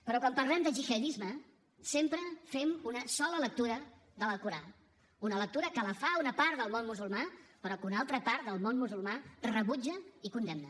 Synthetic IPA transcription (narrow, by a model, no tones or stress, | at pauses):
pəɾɔkwampəɾlɛmd̪əʒixəðizmə | sempɾəfɛmunəsɔlələk̚t̪uɾə | ðələkuɾa | unələk̚t̪uɾəkələfaunəpaɾd̪əlˠmonmuzulˠmapəɾɔkunalˠt̪ɾəpaɾd̪əlˠmonmuzulˠmarəβud͡ʒəikund̪ɛmnə